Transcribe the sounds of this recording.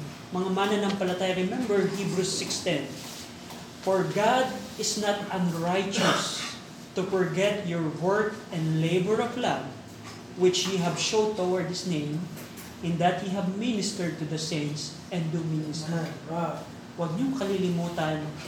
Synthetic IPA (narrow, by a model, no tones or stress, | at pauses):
mɐŋamanɐnɐŋpɐlɐt̪aːjɐɾɛmɛ̃mbɛɹhibɾusːɪkst̪ɛ̃n | fɔɹɡad̪ɪsnɐt̪ɐ̃nɹajt͡ʃɔs | t̪ʊfɔɹɡɛt̪jɔɹwɛɹkɛ̃nd̪lejbɛɹɔvlav | wɪt͡ʃhiɦɐvʃow̚t̪ːowaɹd̪̚hɪsnẽj̃m | ʔɪ̃nd̪ɐt̪̚hiɦɐvmɪnɪst̪ɛɹd̪̚t̪ʊd̪ɐsẽɪns | ɛ̃nd̪umɪnɪst̪ɛɹ | wɐɡ̚ɲʊŋkɐlilɪmuːt̪ɐn